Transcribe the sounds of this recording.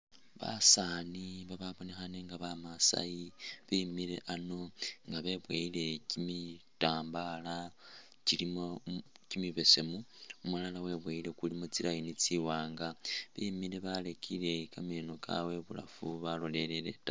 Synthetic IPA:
βa̰saniβaβaβo̞ne̞xaneŋɡaβamasa̰jiβimiɾe̞̰ʔano̞ŋɡaβe̞βweile̞cimitaːmbala | cilimocimiβe̞se̞muumulalawe̞βweilekulimot͡silajinit͡siwaːŋɡaβimile̞βalekʰile̞kameno̞kʰa̰we̞βula̰fuβalo̞le̞lele̞̰ta

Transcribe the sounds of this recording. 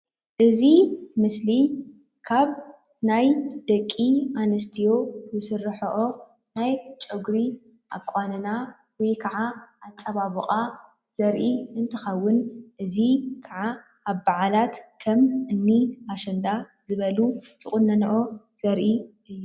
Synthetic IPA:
ʔɨzimɨsli | kʰaβ | najd̪̥ɐkʼːianɐst̪ʰijo̞zɨsɨrːɨħɐʔo | najt͡ʃʼɨɡɾi | ʔa̰kʷʼanɨna | wjkʰɐʕaʔat͡sʼːɐβaβɨχʼa | z̥ɐɾʔiɨnt̪ʰɨxɐwːʊnʔɨzikʰaʕa | aβbaʕalat̪kʰɐmɨnːiaʃɐnd̪azɨβɐlu | z̥ɨχʼʊnːɐnɐʔo | z̥ɐɾʔiʔɨjːu

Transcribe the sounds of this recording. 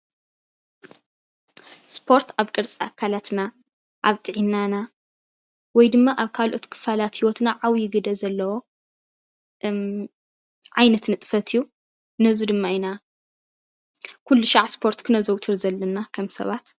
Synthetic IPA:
spʰo̞ɾt̪ʰaβkʼɨɾt͡sʼaakʰalat̪na | ʔaβt̪ʼɨʕinːana | wɔjd̪ɨmːaʔaβkʰalʔo̞t̪kʰɨ̥falat̪hiwɔt̪naʕawjɪɡɨd̪ɐzɐlːɐwo̞ | ʕajnɐt̪nɨt̪ʼɨ̥fɐt̪ʰiju | nɐzud̪ɨmːaina | kʰulːuʃaʕspʰo̞ɾt̪kʰɨnɐzɐwt̪ʰɨɾzɐlːɐnakʰɐmsɐ̰βat̪

